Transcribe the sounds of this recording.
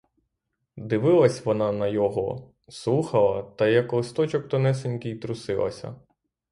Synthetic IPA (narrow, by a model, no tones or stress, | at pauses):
d̪ɪʋɪlˠɐsʲʋɔnɑnɐjɔɦɔ | slˠuxɐlˠɐt̪ɐjɐklˠɪst̪ɔt͡ʃɔk̚t̪ɔnɛs̬enʲkʲɪjt̪ɾʊsɪlˠɐ̰sʲɐ̰